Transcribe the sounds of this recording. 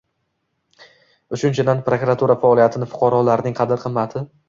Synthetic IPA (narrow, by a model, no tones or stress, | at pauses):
ʊt͡ʃʊnt͡ʃʰɪd̪anpɾokɾat̪ʰuɾafaɒlˠijat̪ʰɪnɪfʊ̥qʰɑɾɒlaɾnɪŋqʰɑd̪ɪɾqʰɨmːat̪ʰɪ